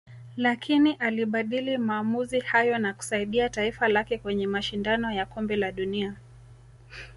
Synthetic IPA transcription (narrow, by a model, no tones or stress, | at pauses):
lakʰiniʔaliɓaɗilimaːmuzihajɔnaku̥saiɗiataifalakɛkwɛɲɛmaʃindanɔjakɔmbɛlaɗunia